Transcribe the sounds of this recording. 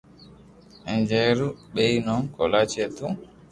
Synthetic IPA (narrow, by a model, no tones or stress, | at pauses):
ɛnd͡ʒɛɾuɓejnɔnkɔlat͡ʃɛtu